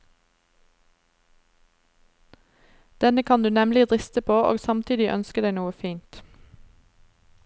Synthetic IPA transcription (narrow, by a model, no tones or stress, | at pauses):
d̪̥ɛnəkʰɑnd̪ʉːnɛmlɪʁʁɪst̪əpʰoːʔo̰ːɡsɑmt̪ʰiːd̪ɪʔœnskəd̪æɪnuːəfiːnt̪